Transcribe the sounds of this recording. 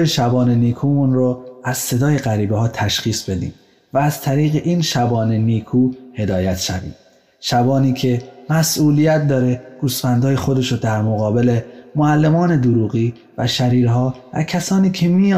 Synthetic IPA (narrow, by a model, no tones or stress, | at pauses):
jeʃæbɒːneniːkʰuːmunɾoæz̥se̞d̪ɒːje̞ɣæɾiːbehɒːt̪ʰæʃχiːsbe̞d̪ḭːm | væːz̥t̪ʰæɾiːɣeʔiːnʃæbɒːneniːkʰuːhe̞d̪ɒːjæt̪ʰʃæ̰vḭːm | ʃæbɒːniːcʰe̞mæsʔuːlijæt̪̚d̪ɒːɾe̞ɡ̥usfænd̪ɒːje̞xod̪e̞ʃod̪æɾmoɣɒːbe̞le̞moælːe̞mɒːne̞d̪oɾuːɣiː | væʃæɾiːɾɦɒːvæ̰cʰæsɒːniːcʰe̞miːj